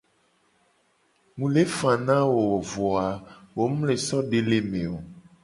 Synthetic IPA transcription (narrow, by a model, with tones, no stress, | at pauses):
ŋũ˨le˦fã˨nã˦wo˨wo˨vɔ˨a˨wo˨mũ˦le˨sɔ˦ɖe˦le˨mẽ˨o˨